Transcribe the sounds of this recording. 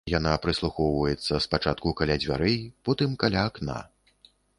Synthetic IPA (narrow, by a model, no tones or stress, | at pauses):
janapɾɨslˠuxɔwvɐjɛt̪sːɐspat͡ʂat̪̚kukalʲad͡zʲvʲa̰ɾɛjpɔt̪ɨmkalʲaːkna̰